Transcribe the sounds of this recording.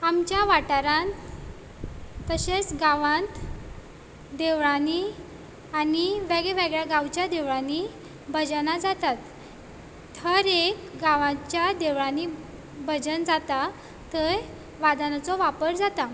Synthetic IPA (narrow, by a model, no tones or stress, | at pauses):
amt͡ɕjaʋaʈaɾãnt̪ | əɕet͡sɡaʋãnt̪ | d̪eʋɭani | aniʋeɡɭɛʋeɡɭjaɡãwt͡ɕjad̪eʋɭani | bʱəd͡ʑnad͡zat̪at̪ːʰ | əɾekɡaʋãt͡ɕjad̪eʋɭani | bʱəd͡zənd͡zat̪a | t̪əɾ | ʋad̪anat͡sɔʋapəɾd͡zat̪a